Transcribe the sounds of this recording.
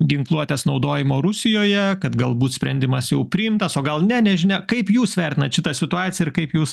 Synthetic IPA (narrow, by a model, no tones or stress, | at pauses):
ɡʲɪŋklˠuɔt̪ʲeːsnɒʊd̪oːjɪmoːɾʊsʲɪjoːjɛkɐt̪ɡɐlˠbuːt̪sʲpʲɾʲɛnʲd̪ʲɪmɐsjɛʊpʲɾʲɪɪmt̪ɐsoːɡɐlˠnʲɛnʲɛʒʲɪnʲɛkɐɪpjuːsʋʲɛɾʲt̪ʲɪnɐt̪ʃʲɪt̪ɐsʲɪt̪ʊɑːt̪sʲɪjɛɪɾkɐɪpjuːs